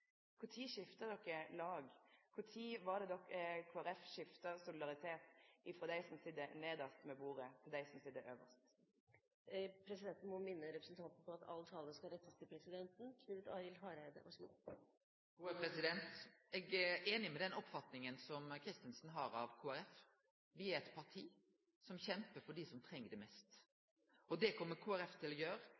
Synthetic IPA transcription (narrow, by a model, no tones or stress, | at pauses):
kʰʊʁt̪ʰiːʃɪft̪ɑd̪ɔkːəlɑːɡkʰʊt̪ʰiːʋɑʁd̪ɛd̪ɔkːəkʰuːæɾɛfʃɪft̪ɑsʊlɪd̪ɑʁɪt̪ʰeːt̪ɪfɾɔd̪æɪsɔmsiːd̪əneːd̪ɑst̪mɛbuːʁət̪ʰɪld̪æɪsɔmsiːd̪əʔøːʋə̰ʁst̪ | pʰɾɛsɪd̪ɛnt̪n̩mɔmɪnːəɾɛpɾəsn̩t̪ɑnt̪n̩pʰɔɑt̪ɑ̰lt̪ʰɑːləskɑɾɛt̪ːəst̪ʰɪlpʰɾɛsɪd̪ɛnt̪n̩kʰnʉːʋət̪ɑɪɪlɦɑːɾæɪd̪ə̰ʔɔ̰slṵː | ɡuːəpʰɾɛsɪd̪ɛnt̪ɛɡæeːnɪmɛd̪ɛnɔpːfɑt̪nɪŋənsɔmkʰɾɪst̪ənsənɦɑːɾɑʋkʰuːæɾɛf | ʋɪæɛt̪pʰɑʁʈ̪ʰiː | sɔmçɛmpəɾfɔɖisɔmt̪ʰɾɛŋːəɖɛmɛst̪ | ɔd̪ɛkʰɔmːəɾkʰuːæɾɛft̪ʰɪlɔjøːɾə